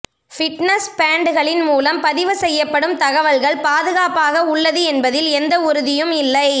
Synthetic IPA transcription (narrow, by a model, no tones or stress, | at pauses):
fɪʈnɐspaːɳɖɯɣɐɭɪnmuːlɐmpɐðɪʋɯsɛjːɐpːɐɽɯmt̪ɐɣɐʋɐlɣɐɭpaːðɯɣaːpaːɣɐʊɭːɐðɯɛnbɐðɪlɛnd̪ɐʊɾɯðɪjɯmɪlːɐɪ